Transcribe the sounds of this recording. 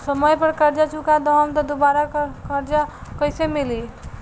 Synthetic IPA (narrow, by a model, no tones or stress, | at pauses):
səməjpəɾkəɾd͡ʒat͡ʃukad̪ɔɦəmt̪ɔd̪obaɾakkəɾd͡ʒakəjsemili